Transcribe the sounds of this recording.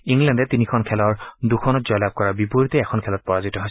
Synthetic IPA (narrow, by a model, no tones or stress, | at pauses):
iŋlɛndɛtinikʰɔnkʰɛlɔɹdukʰɔnɔtz̥ɔjlab̚kɔɹabipuɹitɛɛkʰɔnkʰɛlɔt̚pɔɹazitɔɦoj